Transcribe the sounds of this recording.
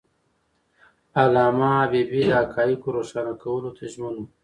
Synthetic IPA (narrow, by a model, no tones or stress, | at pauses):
alɑmaːbebid̪akʰɑjikoɾoʃɑnakawəlot̪ʰaʒmənwu